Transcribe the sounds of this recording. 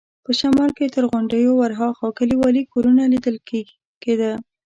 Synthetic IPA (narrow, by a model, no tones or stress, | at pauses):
pəʃamɑlket̪əɾɣoɳɖəjowaɾɦɑxakəliwɑlikoɾunalid̪əl | ked̪ə